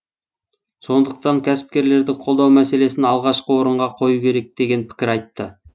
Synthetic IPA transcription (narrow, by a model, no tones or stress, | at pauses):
so̞nd̪əq̚t̪ɑŋkʲʰæsɪ̥p̚kʲe̞ɾle̞ɾd̪ɪqʰo̞lˠd̪ɑwmæse̞le̞sɪnɑlˠʁɑʃqəwo̞ɾəɴʁɑqʰo̞jukʲʰe̞ɾe̞k̚d̪̥e̞ɡʲe̞npʰɪ̥kʲɪɾɑjt̪ːə